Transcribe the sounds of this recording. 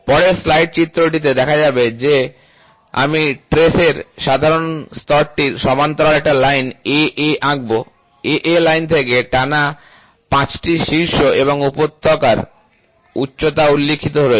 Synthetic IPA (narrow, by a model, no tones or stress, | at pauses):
pɔɽeslajʈ̚t͡ɕit̪ːɾoʈ̬it̪̬ed̪ɛkʰad͡ʑabed͡ʑe | a̰miʈɾeseɾʃad̪ʱaɾonst̪ɔɾʈiɾʃɔmant̪ɔɾaɾɛk̚ʈalajneʔeʔaɡ̚bo | eʔelajnt̪ʰekeʈana | pãt͡ɕʈiʃiɾʃoʔeβoŋupot̪ːokaɾ | ṵtːɕot̪aulːikʰːit̪oɦoɾo